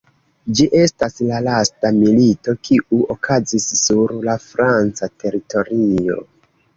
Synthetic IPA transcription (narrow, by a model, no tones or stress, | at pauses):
d͡ʒiʔe̞staslalastamilito̞kʰiʔuokʰazisːuɾlafɾant͡satʰe̞ɾito̞ɾio̞̰